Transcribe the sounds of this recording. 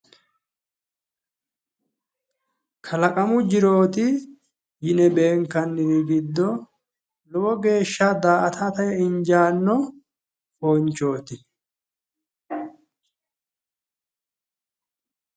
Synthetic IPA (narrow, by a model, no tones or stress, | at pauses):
kʰɐlɐkʼɐmʊd͡ʒɪɾo̞ːt̪ɪ | jɪnɛbe̞ːŋkɐnːɪɾɪɡɪd̪ːɔ | lɔwɔɡe̞ːʃːad̪aːʔɐt̪ʰat̪ɐjɛɪɲd͡ʒaːnːɔ | foːnt͡ʃːo̞ːt̪ɪ